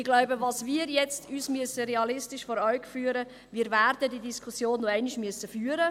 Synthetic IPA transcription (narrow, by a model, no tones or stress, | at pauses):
ɪɡ̥laʊbəʋɑːsmiːɾjɛt͡stʰyːsmyəsəɾeɑlɪstɪʃfɔɾœɥkfyːɾə | miːɾvæːrdədidiskʰusjoːnːoɛɪnɪʃmyəsəfyːɾə